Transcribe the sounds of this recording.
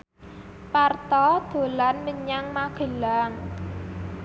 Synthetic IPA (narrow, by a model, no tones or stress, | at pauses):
part̪ɔd̪̥o̤lanməɲaŋmaɡ̥ə̤laŋ